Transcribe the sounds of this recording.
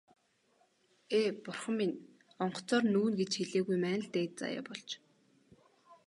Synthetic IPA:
eːpʊrχə̆mːin | ɔɴɢɞ̥̆t͡sɔːrnŭːnɡet͡ɕxeɮeːɣujmæːnɘ̆ɮt̪eːt͡sa̰ːja̰ːpɔɮt͡ɕ

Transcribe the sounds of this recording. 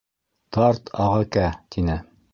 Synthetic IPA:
t̪ɑɾt̪ʰɑʁɤkæt̪inɘ

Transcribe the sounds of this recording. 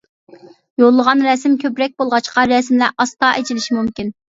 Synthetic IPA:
jolˠːəʁɑnɾɛsmkʲʰøpɾɛk̚ʲbolˠʁɑt͡ʃqɑɾɛsmlæʔɑst̪ɑʔet͡ʃʰilɪʃimumkʲin

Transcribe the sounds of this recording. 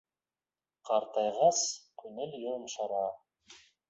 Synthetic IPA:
qʰɑɾt̪ɑjʁɑskʰɵnɵljoɾmʃɑɾɑː

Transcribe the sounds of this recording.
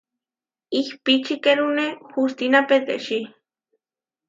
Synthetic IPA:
ihpit͡ʃikeɾunexust̪inapet̪ḛʃi

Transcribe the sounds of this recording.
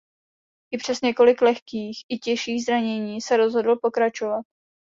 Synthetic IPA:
ʔɪpr̝̥ɛsɲɛko̞lɪklɛxkiːxʔɪcɛʃiːɣzɾaɲɛɲiːsɛɾo̞zɦo̞dl̩po̞kɾat͡ʃo̞vat̪̚

